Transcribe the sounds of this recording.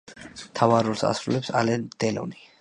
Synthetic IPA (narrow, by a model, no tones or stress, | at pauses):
mt̪ʰavaɾulsa̰sɾulɛpsa̰lɛnd̪̥ɛlɔ̰ni